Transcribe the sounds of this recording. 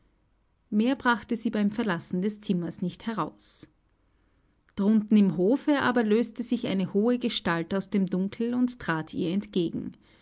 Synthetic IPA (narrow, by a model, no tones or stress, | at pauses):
meːɐbʁaχtəziːbaɪmfɛɐlasn̩dɛst͡sɪmɐsnɪçthɛʁ̞aʊs | d̥ʁʊntn̩ɪmɦoːfəʔa̰ːbɐløːstəzɪçʔaɪnəhoːəɡəʃtaltaʊsd̥eːmdʊŋkʰl̩ʊnttʁ̥aːtʰḭːɐɛntɡ̥eːɡŋ̩